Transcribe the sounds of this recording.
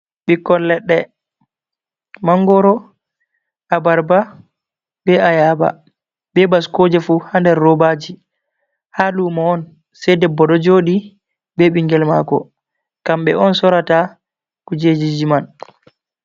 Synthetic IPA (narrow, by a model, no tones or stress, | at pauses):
ɓikːɔlːɛɗːɛ | maŋɡɔɾɔ | ʔabaɾba | bɛajaːba̰ | bɛbaskoːd͡ʒɛfuhandɛɾːɔbad͡ʒi | halumaɔn | sɛdɛbɔɗɔd͡ʒoːɗi | bɛɓiŋɡɛlma̰ːkɔ | kamɓɛ̰ɔnsɔɾata | kud͡ʒed͡ʒid͡ʒiman